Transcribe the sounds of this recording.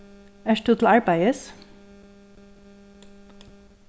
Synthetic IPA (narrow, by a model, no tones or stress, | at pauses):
æʃʈʊːt̪ʰl̩ɑɹbæɪəs